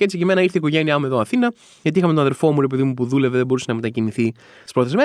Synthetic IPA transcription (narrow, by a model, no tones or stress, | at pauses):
eet͡ssicimenɐiɾθeiko̞ʝe̞niɐmue̞ðoɐθinɐ | ʝɐt̪iixɐmet̪onɐðe̞lfo̞muɾepe̞ðimupuðule̞veðebo̞ɾusenɐmet̪ɐciniθi | si̥spɾo̞θezme